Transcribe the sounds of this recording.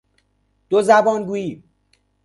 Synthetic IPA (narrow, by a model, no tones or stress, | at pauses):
d̪̥ozæbɒːnɡuːjiːb